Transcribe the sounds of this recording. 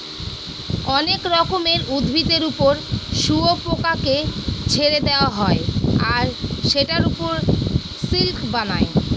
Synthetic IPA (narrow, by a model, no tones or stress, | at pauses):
ɔnekɾɔkomeɾud̪bʱit̪eɾupoɾʃuopokaket͡ɕʰeɾed̪eoaɦɔeaɾʃeʈaɾupoɾ | silkbanae